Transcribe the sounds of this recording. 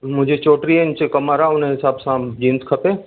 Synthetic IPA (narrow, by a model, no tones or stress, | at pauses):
mʊ̃d͡ʒʱet͡ʃoːʈɾient͡ʃekəmaːɾaoneɦɪsaːbsãd͡ʒĩnskʰəpeː